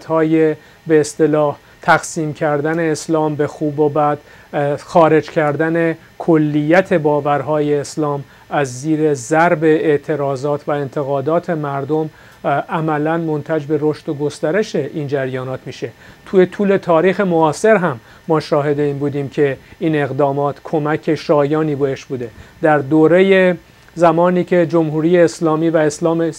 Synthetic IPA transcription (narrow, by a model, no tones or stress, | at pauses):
t̪hɒːje̞ | beːst̪e̞lɒːh | t̪ʰæɣsiːmcʰæɾd̪æne̞ːslɒːmbe̞xuːbobæd̪̥ | xɒːɾe̞d͡ʒcʰæɾd̪æne̞ | kʰolːijːæt̪ʰe̞bɒːvæɾɦɒːje̞ːslɒːm | æzːiːɾe̞zæɾbe̞eʔt̪ʰe̞ɾɒːzɒːt̪ʰvæe̞nt̪ʰe̞ɣɒːd̪ɒːt̪ʰe̞mæɾd̪o̞m | ʔæmælænmo̞nt̪ʰæd͡ʒbe̞ɾo̞ʃt̪oɡo̞st̪æɾe̞ʃe̞ʔiːnd͡ʒæɾjɒːnɒːt̪ʰmiːʃe̞t̪ʰuːje̞t̪ʰuːle̞t̪ʰɒːɾiːxe̞moɒːse̞ɾɦæmː | ɒːʃɒːɦe̞d̪e̞iːnbuːd̪iːmcʰe̞iːne̞ɣd̪ɒːmɒːt̪ʰkʰo̞mæcʰe̞ʃɒːjɒːniːbeheʃbuːd̪e̞d̪æɾd̪oːɾeje | zæmɒːniːcʰe̞d͡ʒo̞mhuːɾiːjeːslɒːmiːvæeslɒːme